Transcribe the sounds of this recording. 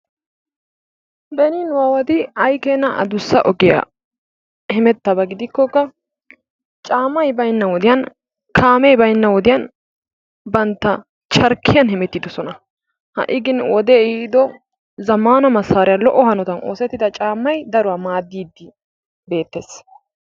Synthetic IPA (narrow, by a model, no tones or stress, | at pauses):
bɛninwaːwɐd̪ɪɐjkenːɐʔɐ̰d̪ʊsːɐʔɔɡɪja̰ | hɛmɛt̪ːɐbɐɡɪd̪ɪkːɔkːɐ | t͡ʃʼaːmːɐjbɐjnːɐwɔd̪ɪjɐn | kʰaːmɛjbɐjnːɐwɔd̪ɪjɐn | bɐnt̪ːɐ | t͡ʃɐɾkːɪjɐnhɛmɛt̪ːɪd̪ɔsɔnɐ | hɐ̰ʔɪɡɪnwɔd̪eːɪd̪ɔ | zɐmaːnɐmɐsaːɾɪjɐlɔʔːɔhɐnɔt̪ɐno̞̰ːsɛt̪ːɪd̪ɐt͡ʃʼaːmːɐjd̪ɐɾʊwaːmaːd̪ːiːd̪ːɪ | be̞ːt̪ːeːs